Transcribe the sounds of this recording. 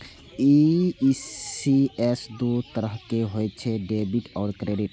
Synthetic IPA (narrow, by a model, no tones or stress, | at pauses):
i | iesd̪ut̪əɾəɦkeɦojt͡ʃʰɛɖebiʈɔːɾkɾeɖiʈ